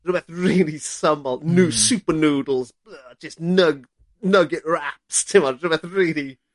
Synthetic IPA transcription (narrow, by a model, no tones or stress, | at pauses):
bɛθɹɪːlˠisʌ̃məlnʉsʉˑpənuːdl̩ˠz | ʌ̥d͡ʒ̥ʌsnʌɡ | nʌɡɪʔ̚ɹæpstʰɪ̃mɑbɛθɹɪli